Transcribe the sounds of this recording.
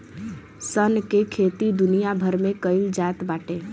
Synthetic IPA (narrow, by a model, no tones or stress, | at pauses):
sənkekʰet̪id̪unijabʱəɾmẽkəɪld͡ʒat̪baːʈe